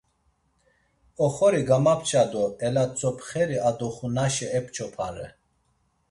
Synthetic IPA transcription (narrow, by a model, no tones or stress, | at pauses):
ɔχɔɾiɡamapʰt͡ʃʰʼad̪ɔɛlat͡sʼɔpχɛɾiad̪ɔχunaʃɛɛpʼt͡ʃʰʼɔpʰaɾɛ̰